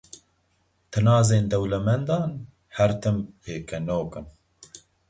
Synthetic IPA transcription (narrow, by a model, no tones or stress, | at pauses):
t̪ʰɨnɑːzeːnd̪ɛwlɛmɛnd̪ɑːn | hɛɾt̪ʰɨmheːkɛnoːkɨn